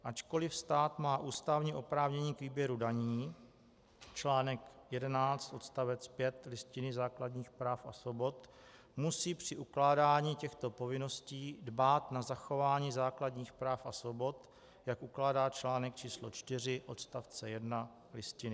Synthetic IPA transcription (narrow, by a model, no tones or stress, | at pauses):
ʔat͡ʃko̞lɪfst̪aːt̪maːʔuːst̪avɲiʔo̞pɾaːvɲɛɲiːkviːbjɛɾudaɲiː | t͡ʃlaːnɛkjɛdɛnaːt͡st̪ʔo̞t̪st̪avɛt͡spjɛt̪lɪscɪnɪzaːkladɲiːxpɾaːfʔa̰svo̞bo̞t̪ | musiːpr̝̥ɪʔuklaːdaːɲiːcɛxt̪o̞po̞vɪno̞sciːdbaːt̪nazaxo̞vaːɲiːzaːkladɲiːxpɾaːfʔasvo̞bo̞t̪ | jakʔuklaːdaːt͡ʃlaːnɛk̚t͡ʃiːslo̞̰t͡ʃt̪ɪr̝ɪʔo̞t̪st̪aft͡sɛjɛdna | lɪscɪnɪ